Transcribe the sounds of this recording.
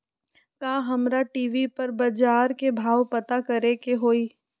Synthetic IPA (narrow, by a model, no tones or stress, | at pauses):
kaːɦɐmɾaʈiːʋipɐɾbɐd͡ʒaːɾkebʱaːʋpɐt̪akɐɾekeɦoːiː